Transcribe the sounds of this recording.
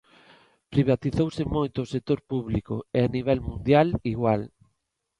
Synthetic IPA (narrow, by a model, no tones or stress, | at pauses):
pɾiβat̪iθowsɪmojt̪ʊːsek̚t̪oɾpuβlikʊ̰eaniβɛlmũnd̪jaliɣwal